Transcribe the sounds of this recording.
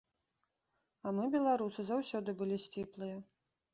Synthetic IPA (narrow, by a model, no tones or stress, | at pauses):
ɐmɨbʲɛlˠaɾusɨzawsʲɔd̪ɨbɨlʲisʲt͡sʲiplˠɨjɐ